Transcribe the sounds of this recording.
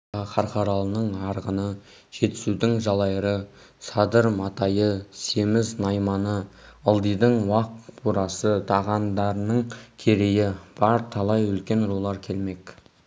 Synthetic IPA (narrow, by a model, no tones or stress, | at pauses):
χʰɑɾqɑɾɑlˠənəɴɑɾʁənə | ʒ̥e̞t̪ɪ̥sud̪ɪŋʒɑlˠɑjɾə | sɑd̪əɾmɑt̪ɑjəse̞mɪznɑjmɑnəəlˠd̪əjd̪əɴwɑq̚bʰuɾɑsət̪ʰɑʁɑnd̪ɑɾənəɴkʲʰeɾe̞jɪb̥ɑɾt̪ʰɑlˠɑjɵlkʲe̞nɾolˠɑɾkʲʰe̞lme̞k